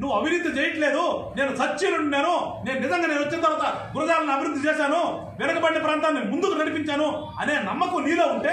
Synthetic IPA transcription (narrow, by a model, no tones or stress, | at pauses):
nuʋːuɐbʱinid̪ːit͡ʃeːjɐʈle̞ːd̪uneːnusɐt͡ʃːinuɳnːeːnune̞ːnunizɐŋɡaːne̞ːnuʋɐt͡ʃːint̪ɐɾʋaːt̪ɐɡuɾɐd̪aːlɐniɐbiɾud̪ːit͡ʃɛːʃaːnu | ʋɛnɐkɐbɐɽiːɐpɾaːnt̪aːmːeːnumund̪ukunɐɽipiɲt͡ʃaːnu | ɐneːnɐmːɐkuniːloːuɳʈeː